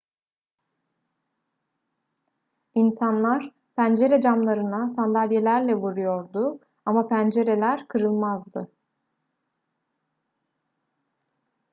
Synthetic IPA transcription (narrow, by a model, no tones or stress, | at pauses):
insanlˠaɾ̥ | pʰænd͡ʒe̞ɾed͡ʒamlˠaɾɯnasand̪alʲje̞lʲæɾlʲɛvuɾujo̞ɾd̪ʊ | amapʰænd͡ʒe̞ɾe̞lʲæɾkʰɯɾɯlˠmazd̪ɯ